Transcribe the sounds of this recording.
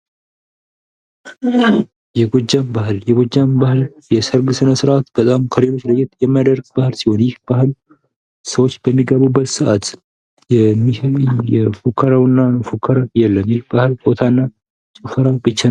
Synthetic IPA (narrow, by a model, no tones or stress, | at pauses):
jɛɡod͡ʒːambaɦɨljɛɡod͡ʒːambahɨl | jɛsəɾɡɨsɨnəsɨɾʔat̪b̥ət̪ʼamkʰəɾelo̞t͡ʃːləjɛt̪jɛmːajad̪əɾɡbahɨlsiho̞njɪhb̥ahɨl | səwot͡ʃːb̥əmːiɡəβubːət̪sɨʔat̪ | ɛmijɛfukʰːəɾawnːafukʰːəɾajɛlːəmjɪhbahɨlfʼot̪ʰanːa | t͡ʃʼɨfəɾabɨt͡ʃːa